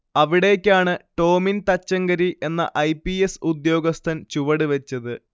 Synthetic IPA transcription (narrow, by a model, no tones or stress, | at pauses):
ɐʋiɽe̞kʲːaːɳɨʈo̞ːmint̪ɐt͡ɕːɐŋɡɐɾiʔe̞nːɐ̰ʔɐjpːiesud̪jo̞ːɡɐst̪ʰɐnt͡ɕuʋɐɽɨʋet͡ɕːɐðɨ